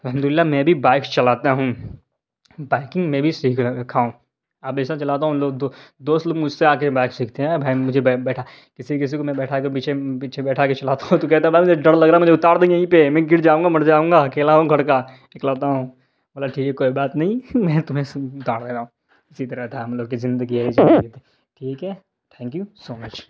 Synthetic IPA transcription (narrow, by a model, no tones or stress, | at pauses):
ɐlɦəmd̪ʊlɪlːamɛ̃bʱibaːɪkt͡ʃɐlaːt̪aɦũː | baːɪkɪ̃ŋɡmẽːbʱisiːkʰkʰaːũː | ɐp̚d̪eːsnat͡ʃɐlaːt̪̬aːɦũloːɡd̪od̪oːst̪loːɡmʊd͡ʒʱseaːkebaːɪksiːkʰt̪eɦɛ̃bʱaimʊd͡ʒʱebɛbɛːʈʰa | kɪsikɪs̬ikomɛ̃bɛːʈʰakep̬iːt͡ʃʰepiːt͡ʃʰebɛːʈʰaket͡ʃɐlaːt̪aɦũt̪ok̬ɛɦt̪̬aɦɛ̃bʱajmʊd͡ʒʱeɖɐɽlɐɡɾaːɛmʊd͡ʒʱeʊt̪aːɾd̪einɐɦĩpemɛ̃ːɡɪɾd͡ʒaːũːŋɡamɐɽd͡ʒaːũːŋɡakeːlaɦũɡʱɐɽkanɪklaːt̪aɦũː | bɐlaʈʰiːkɦɛkoːibaːt̪nɐɦĩmɛ̃ːt̪ʊmɦẽʊt̪aːɽd̪eːɾaːũː | ɪsit̪ɐɾət̪ʰaɐmloːɡkizɪ̃nd̪əɡiaid͡ʒɪ̃et̪e | ʈʰiːkɦɛː | ʈʰɛ̃ːŋkjusoːmɐt͡ʃ